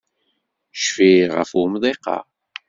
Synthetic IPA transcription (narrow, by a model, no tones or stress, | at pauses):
ʃfiʁə̰fʊmðˤeqɑ̰ʁ